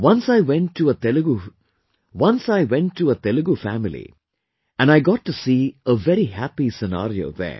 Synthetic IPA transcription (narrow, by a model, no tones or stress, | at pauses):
ʋʌ̃nsaɪʋɛ̃nʈːuɐt̪ɛluɡu | ʋʌ̃nsaɪʋɛ̃nʈːuɐt̪ɛluɡufæmilḭ | æ̃nɖaɪɡɑʈːusiːəʋɛɾihæpisɛna̰ːɾio̰ːðɛ̰ː